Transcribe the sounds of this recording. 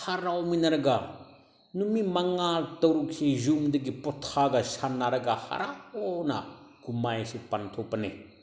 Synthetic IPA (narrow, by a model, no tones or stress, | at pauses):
haɾawminɐɾɐɡa | numimɐŋaltɐwɾuksezumdɐɡipɔtʰaɡɐsanːaɾɐɡaha̰ɾaɔnɐ̰kumajsipantʰɔpːɐne